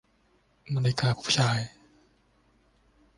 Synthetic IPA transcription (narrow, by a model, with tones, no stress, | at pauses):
ma˧le˧kaː˧pʰu̥˦˥p̚t͡ɕʰaː˧j